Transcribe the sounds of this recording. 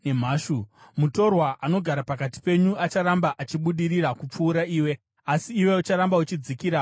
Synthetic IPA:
nem̤aːʃumuto̞rwaʔano̞ɡʱaɾapakati̥pe̞ɲuat͡ʃaɾambaʔat͡ʃiɓuɗiɾiɾakup͡fuːɾaiːwe̞ | asiːwe̞ut͡ʃaɾambaut͡ʃid͡zikiɾa

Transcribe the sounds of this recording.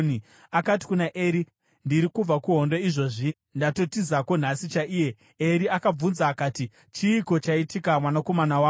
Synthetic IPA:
i | akat̬i̥kunaʔeːɾi | ndiɾikub͡vakuɦo̞ndo̞iʐo̞ʐi | ndato̞tizako̞n̤asit͡ʃaʔiːje̞ | eɾiakab͡vunzaːkaːti | t͡ʃiːko̞t͡ʃaitikamwanako̞manawaː

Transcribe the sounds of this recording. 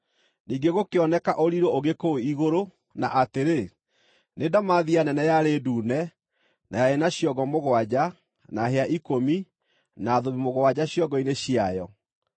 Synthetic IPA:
niːɡeɣokeɔnɛkaʔoɾiɾooɣekoiɣoɾo | naʔateɾe | nedamaðianɛnɛjaɾeduːnɛ | najaenaɕjɔɣɔmoɣwad͡ʑa | naɦeaʔikomi | naːðoβimoɣwad͡ʑaɕjɔɡɔineɕiajɔ

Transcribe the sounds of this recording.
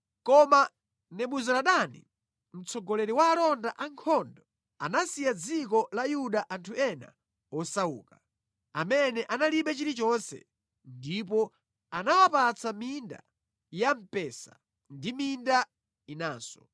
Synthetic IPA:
kɔma | nɛɓuzɔlaɗanḭ | m̩t͡sɔɡɔlɛɾiwaːlɔndaʔaŋkʰɔndɔ | anasijad͡zik̬ɔlajuɗaʔantʰuɛna̰ | ɔsaṵːka | amɛnɛʔanaliɓɛt͡ʃiɾit͡ʃɔnsɛ̰ | ndip̬ɔ | anawapat͡saminda̰ | jam̩pɛsa̰ | ndiminda | inaːsɔ̥

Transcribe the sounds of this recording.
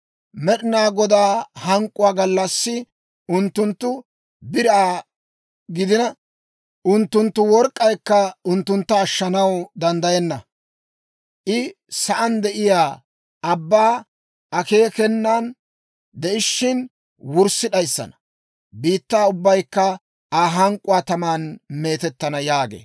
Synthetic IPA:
mɛɗɪnaːɡɔd̪aːhɐŋkʼːʊwaːɡɐlːɐsːɪ | ʊnt̪ːʊnt̪ːʊ | bɪɾaː | ɡɪd̪ɪnɐ | ʔʊnt̪ːʊnt̪ːʊwɔɾkʼːɐjkːɐʊnt̪ːʊnt̪ːɐːʃːɐnɐwd̪ɐnd̪ɐjɛnːɐ | ʔɪ | sɐʔɐnd̪ɛʔɪjaː | ɐbːaː | ʔɐke̞ːkɛnːan | d̪ɛʔɪʃːɪn | wʊɾsːɪᶑɐjsːɐ̰nɐ̥ | biːt̪ːaːʊbːɐjkːɐ | aːɦɐŋkʼʊwaːt̪ɐmaːnme̞ːt̪ɛt̪ːɐnɐjaːɡḛː

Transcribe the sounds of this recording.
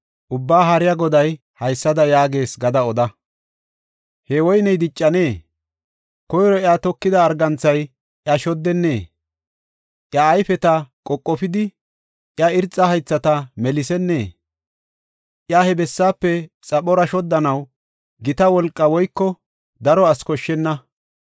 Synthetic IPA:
ʔʊbːaːɦɐɾɪjɐɡɔd̪ɐj | hɐjsːɐd̪ɐjaːɡe̞ːsɡɐd̪ɐɔd̪ɐ | hɛwɔjnɛjd̪ɪt͡ʃʼːɐneː | kɔjɾɔjat̪ɔkːɪd̪ɐːɾɡɐnt͡sːɐj | ʔjɐʃɔd̪ːɛnːe̞ː | ʔjɐːjfɛt̪ɐkʼɔkʼːɔfɪd̪ɪ | ʔjɐɪɾt͡sʼːɐhɐjt͡sːɐt̪ɐmɛlɪsɛnːe̞ː | ʔjahɛbɛsːaːpːɛt͡sʼɐɓɔɾɐʃɔd̪ːɐnɐw | ɡɪt̪ɐwɔlkʼːɐwɔjkːɔ | d̪ɐɾɔɐskɔʃːɛnːɐ

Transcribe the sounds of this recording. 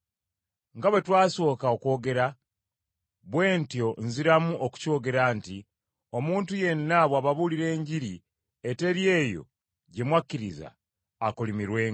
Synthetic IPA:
ŋɡaβwe̞twaːso̞ːkaoko̞ːɡe̞ɾa | βwe̞ːntjo̞nziɾamuʔoku̥co̞ːɡe̞ɾanti | o̞muːntuje̞nːaβwaβaβuliɾe̞ːɲɟiɾi | ete̞ɾje̞ːjo̞̰ | ɟe̞mwakːiɾiza̰ː | kulimiɾwe̞ːŋ

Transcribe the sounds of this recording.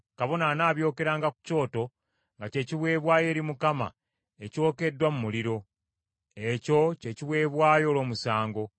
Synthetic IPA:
kaβo̞nanaːβjo̞ːke̞ɾaːŋɡaku̥co̞ːto̞ | ŋɡace̞ːciβwe̞ːβwaːje̞ːɾimukama̰ | e̞co̞ːke̞dːwamumuliɾo̞ | eco̞ce̞ːciβwe̞ːβwaːjo̞ːlo̞ːmusaːŋɡo̞

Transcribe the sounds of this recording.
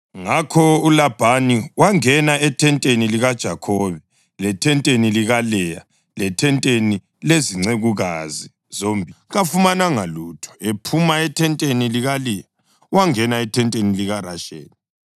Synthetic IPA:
ŋakʰɔulab̥ʱaniwaŋɛnaɛtʰɛntʼeniliɣad̥ʒ̥ʱakʰɔβɛ | lɛtʰɛntʼeniliɣalɛja̰ | lɛtʰɛntʼeni | leziŋ͡ǀeɣuɣazi | zombʱiɣafumanaŋaluːtʰɔ̥epʰumaɛtʰɛntʼeniliɣalɛja | waŋɛnaɛtʰɛntʼeniliɣaraʃḛːni

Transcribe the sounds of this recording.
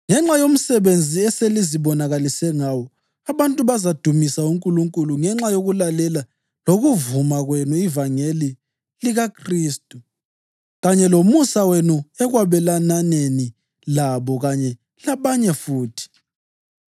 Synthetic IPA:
ŋɛŋ͡ǁajom̩sɛβend͡zʱiɛseliziβɔnaɣalisɛŋawɔ | aβantʼuβazad̥ʱumisauŋkʼuluŋkʼuluŋɛŋ͡ǁajoɣulalɛla | loɣuvumaɣwenuivaŋeli | liɣakʰriːstʼu | ɣaɲɛlomusawenuɛɣwaβɛlananeni | laβɔɣaɲɛ | laβaɲɛfuːtʰi̥

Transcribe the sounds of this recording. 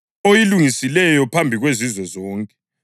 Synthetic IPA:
ojiluŋisilɛjɔpʰambʱiɣwezizwɔzɔːŋkʼɛ̥

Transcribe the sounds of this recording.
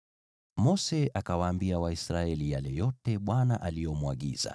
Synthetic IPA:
mɔsɛakawaːmbiawaisɾaɛlijalɛjɔtɛɓwanaʔalijɔmuaɠḭza̰

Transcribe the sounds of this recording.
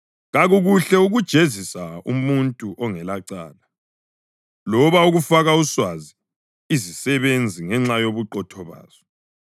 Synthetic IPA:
ɣaɣuɣuɬɛuɣud̥ʒ̥ʱezisaṵmuntʼuʔɔŋɛlaǀa̰ːla | lɔβauɣufaɣauswazi | izisɛβend͡zʱiŋɛŋ͡ǁajoβuǃɔtʰɔβa̰ːz̥ɔ

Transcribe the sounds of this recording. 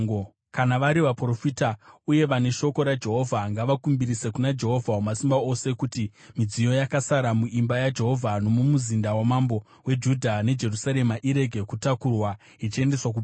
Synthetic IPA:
kanaʋaɾiʋapro̞fitauje̞ʋane̞ʃo̞ko̞ɾad͡ʒe̞ɦo̞vʱaŋɡaʋakumbiɾise̞kunad͡ʒe̞ɦo̞vʱaumasimbao̞se̞kuti | mid͡zijo̞jakasaɾamuʔimbajad͡ʒe̞ɦo̞vʱano̞mumuzindawamambo̞ | we̞d͡ʒudʱane̞d͡ʒe̞rusaɾe̞maʔiɾe̞ɡʱe̞kutakurwa | it͡ʃie̞nde̞swak̬u

